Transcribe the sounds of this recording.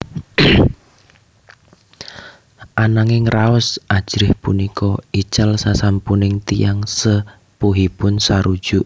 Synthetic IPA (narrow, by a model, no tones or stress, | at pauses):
ʔanaŋɪŋraʊsʔad̥ʒ̥ɾɪhpunikɔit͡ʃalsasampunɪŋt̪ijaŋsə | puɦipʊnsaɾud̥ʒ̥uʔ